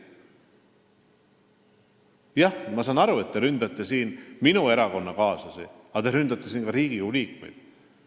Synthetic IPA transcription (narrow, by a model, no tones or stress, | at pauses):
jɑhmɑsɑːnɑɾue̞t̪ːe̞ɾynd̪̥ɑt̪ːˑe̞siːnminue̞ɾɑko̞nːɑkɑːsɑsi | ɑt̪eɾynd̪̥ɑt̪ˑːesiːnkɑɾiːɡ̥iulʲiːkmṵjd̪̥